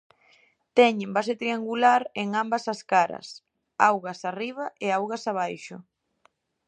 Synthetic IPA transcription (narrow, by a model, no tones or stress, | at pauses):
t̪ɛɲẽmbaset̪ɾiaŋɡulaɾeŋambɐsaskaɾɐ̰s | awɣasariβ̞aʔeawɣasaβ̞ajʃʊ